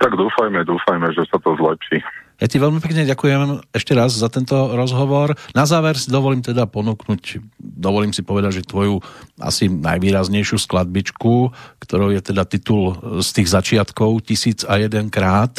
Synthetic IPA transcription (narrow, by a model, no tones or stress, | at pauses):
t̪aɡd̪uːfajmɛd̪uːfajmɛʒɛsat̪ɔzlɛpʃijaciʋɛʎmipɛkɲɛɟakujɛmɛʃcɛɾazzat̪ɛnt̪ɔɾɔzɦɔʋɔɾnazaːʋɛɾsid̪ɔʋɔliːmt̪ɛd̪apɔnuːknucd̪ɔʋɔliːmsipɔʋɛd̪aɟʒɛt̪ʋɔjuʔa̰sina̰jʋiːɾazɲɛjʃjusklad̪̚bit͡ʃkukt̪ɔɾɔʊjɛt̪ɛd̪at̪it̪ulst̪iːɣzat͡ʃɪat̪kɔʊcisiːd͡zajɛd̪ɛnkɾaːt̪